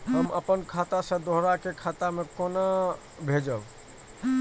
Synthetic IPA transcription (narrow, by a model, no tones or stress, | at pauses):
ɦəmə̰pənkʰat̪asə̃d̪oɦɾakekʰat̪amekona | bʱed͡ʒəb